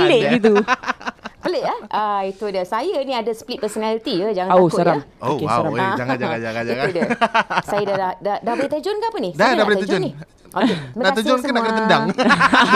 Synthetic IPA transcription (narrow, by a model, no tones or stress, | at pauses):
əleʔɡit̪̬u | pəleʔahʔəit̪udəsajanĩadasplit̪̚pəsonalit̪iəd͡ʒaŋanoskaɾamhokesaɾamaad͡ʒaaiudəsajadadahdadahbəlit̪əd͡ʒonkaapənidadabəlit̪t̪d͡ʒd͡ʒɔni | ʔokemə̃aat̪əd͡ʒɔnksandakat̪əndaŋ